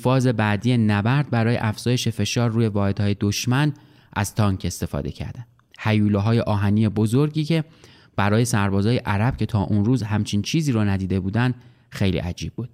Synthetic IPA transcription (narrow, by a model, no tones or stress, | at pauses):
fɒːze̞bæːd̪ijenæbæɾd̪̚bæɾɒːje̞ʔæfz̥ɒːjeʃefe̞ʃɒːɾːuːje̞vɒːhe̞d̪̥hɒːje̞d̪oʃmæn | ʔæ̰z̥t̪ʰɒːŋkʰe̞st̪e̞fɒ̰ːd̪e̞̰cʰæ̰ɾd̪ænd̪̥hæjuːloɦɒːjeʔɒːɦæniːebozoɾɟiːcʰe̞ | b̥æɾɒːje̞sæɾbɒːzɒːjeʔæɾæb̥̚cʰe̞t̪ʰɒːʔunruːzɦæmt͡ʃʰint͡ʃʰiːziːɾɔnæd̪iːd̪e̞buːd̪ænd̪̥ | xe̞jlḭːʔæd͡ʒiːb̥̚buːd̪̥̚